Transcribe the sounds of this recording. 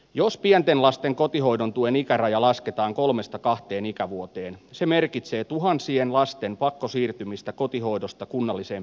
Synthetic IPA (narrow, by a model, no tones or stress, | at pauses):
jospiɛnt̪enlɑst̪eŋko̞t̪iɦo̞idont̪uenikærɑjɑlɑsket̪ɑːŋkolme̞st̪ɑkɑht̪eːnikæʋuot̪eːnseme̞rkit̪se̞ːt̪uɦɑnsienlɑst̪e̞mpɑkːosiːrt̪ymist̪ækot̪iɦo̞idost̪ɑkunːɑlːisem